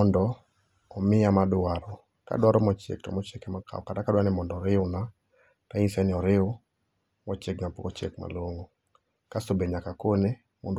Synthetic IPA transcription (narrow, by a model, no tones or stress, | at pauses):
ɔndɔ | ɔmɪamadwaɾɔ | ka̰dwaɾɔmɔt͡ʃḛk̚tɔ̰mɔt͡ʃekɛmaka̰ɔkatakadwanɪmɔndɔɾɪʊna | taisɛnɪɔɾɪʊ | mɔt͡ʃekmapokot͡ʃḛkma̰loŋo | kasobeɲakakone | mond